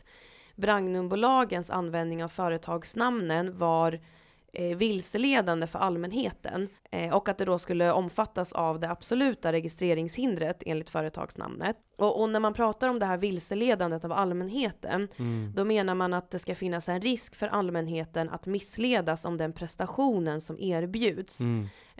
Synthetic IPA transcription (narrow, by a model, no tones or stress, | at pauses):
bɾaŋnɵmbʊlɑːɡənsa̰nvɛnd̪nɪŋavfœːɾət̪ʰɑːɡsnamnənvaɾ | vɪlsəleːd̪and̪əfœ̰ɾʔalmɛnɦeːt̪ʰə̰nɔkːat̪̚d̪ɛd̪ɔskɵlːəʔɔmfat̪ːasa̰vd̪ɛab̥sɔlʉ̟ːt̪aɾɛɡɪst̪ɾeːɾɪŋshɪnd̪ɾət̪ʰḛːnlɪkt̪fœːɾət̪ʰɑ̰ːɡ̥sna̰mnə̰t̪ | ʔɔʔɔnæɾmanpʰɾɑːt̪aɾɔmd̪ɛɦæːɾvɪlsəleːd̪and̪ət̪avalmɛnɦeːt̪ʰə̰nd̪ɔmeːnaɾmanat̪̚d̪ɛskafɪnːasɛnɾɪskfœɾʔalmɛnɦeːt̪ənʔa̰t̪mɪsːleːd̪asɔ̰md̪ɛnpʰɾɛst̪aɧuːnənsɔmʔeːɾbjʉ̟ːd̪s